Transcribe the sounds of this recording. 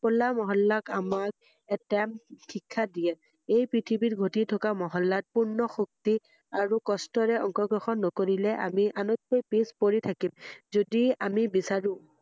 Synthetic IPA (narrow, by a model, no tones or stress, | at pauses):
pɔlamɔɦɔlːakamak̚ | ɛtamkʰikʰːadijɛ | ejpɹitʰibitɡʱotitʰɔkamɔɦɔlːat̚puɹnɔxuk̚ti | aɹukɔstɔɹɛɔŋkɔɡɹɔxɔnːɔkoɹilɛʔa̰miʔanɔt̚ːojpispoɹitʰakimzodiamibisaɹũ